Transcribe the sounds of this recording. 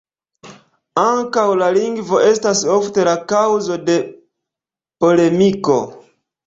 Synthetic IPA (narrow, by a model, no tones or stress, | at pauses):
aŋkawlaliŋɡvo̞ʔe̞staso̞fte̞lakawzo̞de̞ | po̞le̞miko̞̰